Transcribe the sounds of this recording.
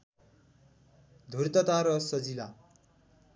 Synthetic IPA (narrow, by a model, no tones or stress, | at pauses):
d̪ʱurt̪ʌt̪aɾʌsʌd͡zila